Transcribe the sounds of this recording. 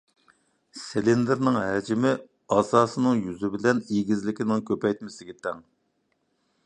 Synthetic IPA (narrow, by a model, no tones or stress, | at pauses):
selɪnd̪ɨɾnɨŋɦɛd͡ʒimɪ | ɑsɑːsɨnɨŋjyzɪbɪlɛniɡʲizlɪkʲinɪŋkʲʰøpɛjt̪̚mɪsɪɡʲɛt̪ʰɛŋ